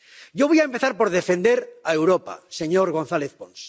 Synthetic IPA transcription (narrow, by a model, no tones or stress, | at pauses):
ɟ͡ʝoβ̞ojaempe̞θaɾpoɾðefẽ̞nd̪eɾaewɾopa̰seɲoɾɣo̞nθaleθpons